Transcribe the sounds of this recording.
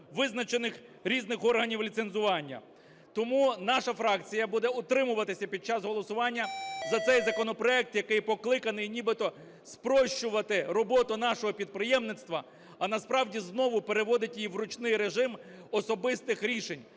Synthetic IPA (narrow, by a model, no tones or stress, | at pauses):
ʋɪznɐt͡ʃenɪxɾʲiznɪxɔrɦɐnʲiwlʲit̪senzʊʋɑnʲːɐ̰ | t̪ɔmunɑʃɐfɾɑkt͡sʲijɐbud̪ɛʊt̪ɾɪmʊʋɐt̪ɪsʲɐpʲid̪̚t͡ʃɑsɦɔlˠɔsʊʋɑnʲːɐzɐt̪sɛjzɐkɔnɔpɾɔɛk̚t̪jɐkɪjpɔklˠɪkɐnɪjnʲibɪt̪ɔ | spɾɔʃt͡ʃʊʋɐt̪ɪɾɔbɔt̪ʊnɑʃɔɦɔpʲid̪̚pɾɪjɛmnɪt̪st̪ʋɐ | ɐnɐspɾɑwdʲiznɔʋʊpeɾe̞ʋɔd̪ɪtʲjiʋɾʊt͡ʃnɪjɾeʒɪm | ɔsɔbɪst̪ɪxɾʲiʃenʲ